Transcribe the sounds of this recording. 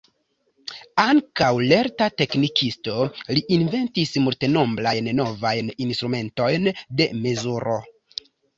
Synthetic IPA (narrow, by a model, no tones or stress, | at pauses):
aŋkawle̞ɾtate̞knikʰisto̞liʔinve̞ntismulte̞no̞mblajnːo̞vajninst̪ɾume̞nto̞jnde̞me̞zuɾʔo̞